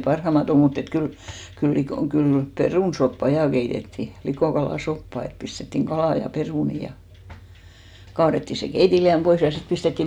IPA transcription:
pɑrhɑmɑt om mut et kyl kyl likoˑ kyl peruˑnsopːɑ jɑˑ keitetːiˑ likoˑkɑlɑˑsopːɑ et pistetːiŋ ɡ̊ɑlɑˑ jɑ peruˑni jɑ kɑːretːiˑ se keitiliæm pois jɑ sit pistetːiˑ

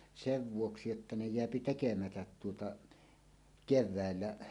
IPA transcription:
seʋ ʋuoksi etːæ ne jeæpi tekemætæt tuotɑ keʋˑæˑelːæ

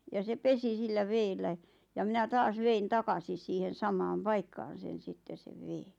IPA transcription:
jɑ se pesi silːæ ʋeːlːæ jɑ minæ tɑːs ʋein tɑkɑsis siːhen sɑmɑːm pɑikːɑːn̞ sen̞ sitːe seʋ ʋeːn̥

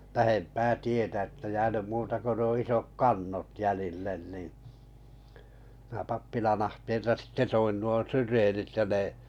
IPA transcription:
læhempæː tietæ ĕtːæ jæːnym muːtɑ ko nuo isok kɑnːot jælilːen ni mĭnæ pɑpːilɑn ɑhteːltɑ sitːe toin nuo syreːnit jɑ ne

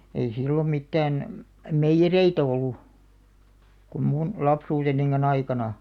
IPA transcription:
ei silːom mitːæːn meijːereit olːu kum mun lɑpsuːtenːiŋkɑnː ɑikɑnɑ

